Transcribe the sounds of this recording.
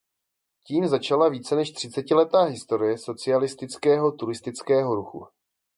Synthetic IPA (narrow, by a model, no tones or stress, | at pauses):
ciːmzat͡ʃalaviːt͡sɛnɛʃt̪r̥ɪt͡sɛcɪlɛt̪aːɦɪst̪o̞ɾɪjɛso̞t͡sɪalɪst̪ɪt͡skɛːɦo̞t̪uɾɪst̪ɪt͡skɛːɦo̞ɾuxṵ